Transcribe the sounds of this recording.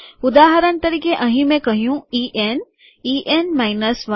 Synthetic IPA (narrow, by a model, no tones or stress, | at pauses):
ʊd̪aːɦəɾənt̪ɐɾiːkeʔɐ̃ɦĩmẽkɐɦijũiːʔen | iːʔenmaːɪnəsʋa